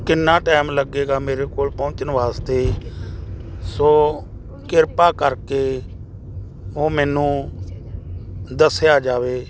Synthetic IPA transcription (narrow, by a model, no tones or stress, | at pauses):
kɪnːãːʈɛːmləɡeːɡaːmeːɾeːkoːlpɔʊt͡ʃənʋaːst̪eː | soː | kɪɾpaːkəɾkeː | oːmɛːnũː | d̪əsɪjaːd͡ʒaːʋeː